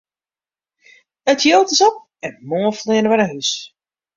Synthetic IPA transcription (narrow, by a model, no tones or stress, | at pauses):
ətʰjowtɪsɔp̚ | ɛnmoːəflɪənəʋɛnəɦys